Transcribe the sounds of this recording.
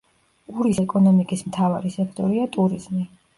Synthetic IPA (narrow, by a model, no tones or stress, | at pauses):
uɾisɛkʼɔnɔmikʼismt̪ʰavaɾisɛkʰt̪ʼɔɾiat̪ʼuɾizmi